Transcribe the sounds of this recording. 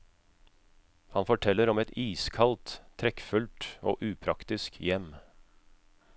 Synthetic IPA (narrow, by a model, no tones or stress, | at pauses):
hɑnfɔʈʰɛlːəɾɔmɛt̪iːskʰɑlt̪ʰːɾɛkfʉlt̪o̰ːʔʉːpʰɾɑkt̪ɪskjɛm